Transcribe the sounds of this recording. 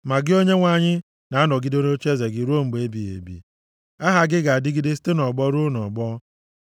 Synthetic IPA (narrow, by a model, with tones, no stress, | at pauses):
ma˨ɡɪ˦o˦ɲe˦ŋʷa˨ɲɪ˦ | na˨a˦nɔ˨ɡɪ˦do˦ɾo˦t͡ʃe˦ze˨ɡɪ˨ɾo˦˨m̩˨ɡ͡be˦bi˨ḛ˨bḭ˨ | a˦ɦa˨ɡɪ˦ɡa˨a˨dɪ˦ɡɪ˦de˦s̬i̥˦te˦nɔ˨ɡ͡bɔ˦ɾʊ˦nɔ˨ɡ͡bɔ˦